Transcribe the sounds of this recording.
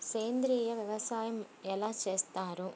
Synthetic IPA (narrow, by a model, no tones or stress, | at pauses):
seːnd̪ɾiːjɐʋjɐʋɐsaːjɐm | ɛlːat͡ʃeːst̪aːɾu